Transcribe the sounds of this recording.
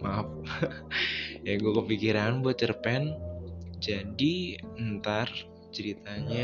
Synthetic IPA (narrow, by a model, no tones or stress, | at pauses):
map̚ | jaɡuakəfikiɾanbuat̪̚t͡ʃərpɛn | d͡ʒadiənt̪ar | t͡ʃəɾit̪aɲa